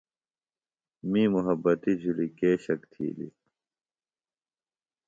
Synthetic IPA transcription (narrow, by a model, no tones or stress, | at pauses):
miːmuɦɐbːɐt̪id͡ʑʱulikeːɕɐkt̪ʰḭːlḭ